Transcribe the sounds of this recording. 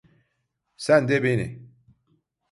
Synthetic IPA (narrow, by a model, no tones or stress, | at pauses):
sænd̪ebinḭ